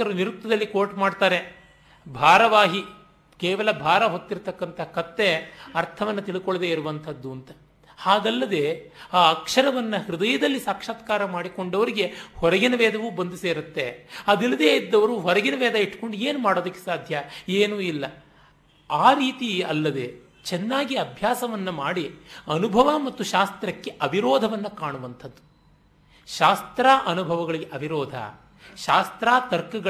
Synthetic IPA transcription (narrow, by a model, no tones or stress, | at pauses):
kɐɾɐniɾutt̪ːɐd̪ɐlːikoːʈmaːɖt̪aːɾe | bʱaːɾɐʋaːɦi | keːʋɐlɐbʱaːɾɐɦot̪ːiɾt̪ɐkːɐnt̪ʰɐkɐt̪ːe̞ɐɾt̪ʰɐʋɐnːɐt̪iɭikoɭd̪eːiɾuʋɐnt̪ʰɐd̪ːuɐnt̪ɐ̥ | haːɡɐlːɐd̪e̞ːaːɐkʂɐɾɐʋɐnːɐhɾud̪ɐjɐd̪ɐlːisaːkʂaːt̪kaːɾɐmaːɽiko̞ɳɖɐʋɐɾiɡe̞hɔɾɐɡinɐʋɛːd̪ɐʋubɐnd̪useːɾut̪ːe̞ɐd̪ilːɐd̪eːid̪ːɐʋɐɾuɦɔɾɐɡinɐʋɛːd̪ɐiʈːko̞ɳɖieːnumaːɽoːd̪ɐkːe̥saːd̪ʱjɐeːnuilːɐ | aːɾiːt̪iɐlːɐd̪e | t͡ʃɛnːaːɡiɐbʱjaːsɐʋɐnːɐmaːɽiɐnubʱɐʋɐmɐt̪ːuʃaːst̪ɾɐkːe̞ʔɐbʱiɾɔːd̪ʱɐʋɐnːɐkaːɳuʋɐnt̪ʰɐd̪ːu | ʃaːst̪ɾaːʔɐnubʱɐʋɐɡɐɭiɡeʔɐbʱiɾɔːd̪ʱɐ̰ | ʃaːst̪ɾaːt̪ɐɾkɐɡɐ